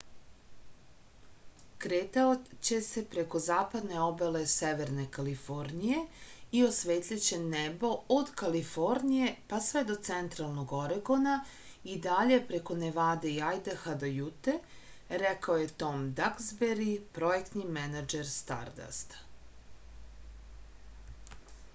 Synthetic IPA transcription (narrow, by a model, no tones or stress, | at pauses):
kɾeːt̪aot͡ɕe̞se̞pɾe̞ko̞zaːpad̪ne̞o̞bele̞seʋe̞ɾne̞kalifo̞ɾnije̞io̞sʋeːt̪lʎat͡ɕenebo̞od̪kalifo̞ɾnije̞pasʋe̞d̪o̞t̪sent̪ɾalˠnoɡo̞ɾeɡo̞na | id̪aʎe̞pɾe̞ko̞neʋaːd̪e̞iajd̪axad̪ojut̪e | ɾɛkaoje̞t̪o̞md̪akzbeɾipɾo̞jekt̪nimɛnad͡ʒeɾst̪a̰ɾd̪a̰st̪